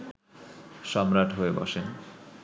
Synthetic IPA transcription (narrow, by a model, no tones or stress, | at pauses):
ʃɔmɾaʈʰɦoebɔ̰ʃen